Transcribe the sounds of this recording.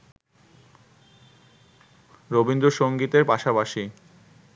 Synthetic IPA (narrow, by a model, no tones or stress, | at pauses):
ɾobind̪ɾoʃoŋɡit̪eɾpaʃapaʃi